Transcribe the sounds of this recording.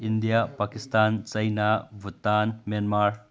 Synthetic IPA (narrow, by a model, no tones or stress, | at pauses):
indijapakistant͡ʃɐjnabʱutanmjanmaɾ